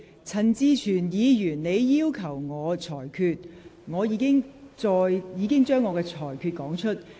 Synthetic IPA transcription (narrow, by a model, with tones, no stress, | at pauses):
t͡sʰɐ˨˩nt͡siː˧t͡ʃʰyː˨˩njiː˨˧jyː˨˩nne˨˧jːiː˥wkʰɐ˨˩wŋɔː˨˧t͡ʃʰɔː˨˩jkʰyː˧t̚ŋɔː˨˧jiː˨˧˥kɪ˥ŋt͡ʃɔː˧jjiː˨˧kɪ˥ŋt͡ʃœː˥ŋːɔː˨˧kɛː˧t͡ʃʰɔː˨˩jkʰyː˧t̚kɔː˨˥ŋt͡ʃʰɵ˥t̚